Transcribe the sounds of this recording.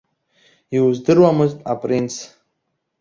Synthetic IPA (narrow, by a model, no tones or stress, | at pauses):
iuzdɨrwamɨztʼapʼrint͡sʰ